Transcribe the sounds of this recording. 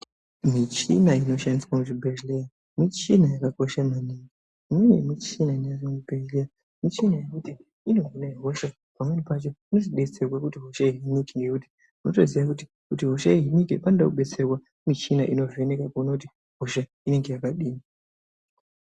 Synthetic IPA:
mit͡ʃinaino̞ʃandiswakut͡ʃibʱeʒleja | mit͡ʃinajakako̞ʃamaniːŋɡe | imwewḛmit͡ʃinaineaʐiŋubʱeʒleja | mit͡ʃinaje̞kuti | ino̞ɦinaiɦo̞ʃa | pamwe̞nipat͡ʃo̞inoziɓe̞t͡se̞rwakutiɦo̞ʃaiɦinikeŋɡe̞kuti̥ | muno̞to̞ziʋakuti̥ | kutiɦo̞ʃaiɦinikipanodakuɓe̞t͡serwa | mit͡ʃinaʔino̞venekakunakuti | ɦo̞ʃa | ine̞ŋɡe̞jakaɗiːmi

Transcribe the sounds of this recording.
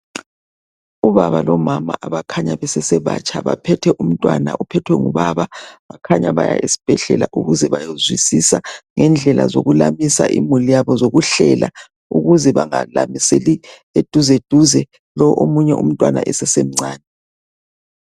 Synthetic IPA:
uβaβalɔmama̰ʔaβakʰaɲaβɛsɛsɛβat͡ʃʼaβa̰pʰɛtʰɛʔum̩tʼwana̰ʔupʰɛtʰwɛŋuβaβaβakʰaɲaβaja̰ʔisi̥b̥ʱɛɮɛlaʔuɣuzɛβajozwisisaŋɛnd͡ɮʱɛla̰zoɣulamisaʔḭmulijaβɔzoɣuɬɛla | uɣuzɛβaŋalamiseli | ed̥ʱuzed̥ʱuzɛ | lɔʔomuɲɛʔum̩tʼwana̰ʔɛsɛsem̩ŋ͡ǀʱaːnɛ

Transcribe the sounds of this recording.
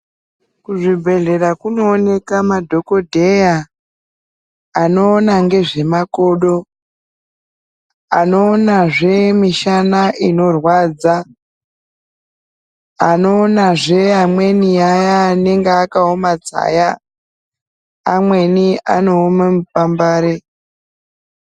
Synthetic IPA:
kuʐibʱe̞ɮe̞ɾakuno̞ːne̞kamadʱo̞ko̞dʱe̞ja | no̞ːnaŋɡe̞ʐe̞mako̞ːɗo̞ | no̞ːnaʐe̞miʃanaʔino̞rwaːd͡za | ano̞ːnaʐe̞amwe̞niajaːne̞ŋɡeakaomad͡za̰ːja | mwe̞niano̞ːmamupambaːɾe

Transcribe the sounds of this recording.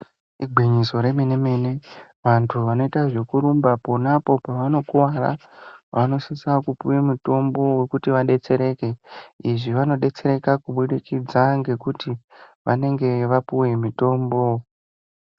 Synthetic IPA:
iɡʱiɲiso̞ɾe̞meneme̞ne̞ | ʋantʰuʋano̞itaʐe̞kuɾumbapo̞napo̞paʋano̞kuwara̰ʋano̞sisakupujemuto̞mbo̞we̞kutiʋaɗe̞t͡se̞ɾe̞ke̞iʐiʋano̞ɗe̞t͡se̞ɾe̞kakuɓuɗikid͡zaŋɡe̞kutiʋane̞ŋɡe̞ʋapuwe̞mito̞ːmbo̞

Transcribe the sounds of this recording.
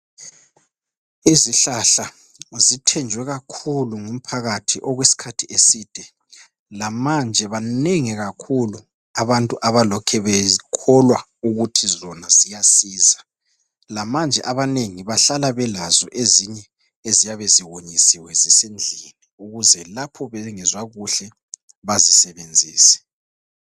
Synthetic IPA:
iziɬaɬa | zitʰɛnd͡ʒʱwɛɣakʰuluŋum̩pʰaɣatʰiʔɔɣwesi̥kʰatʰiʔesid̥ʱɛ | lamand͡ʒʱɛβaneŋiɣakʰulu | aβantʼuʔaβalɔkʰɛβɛkʰɔlwa | uɣutʰizɔnazijasiːza | lamand͡ʒʱɛʔaβaneŋiβaɬalaβɛlazɔʔeziɲɛ | ezijaβeziwoɲisiwɛzisend͡ɮʱieniuɣuzɛlapʰɔβɛŋɛzwaɣuɬɛ | βazisɛβend͡zʱiːsɛ̥

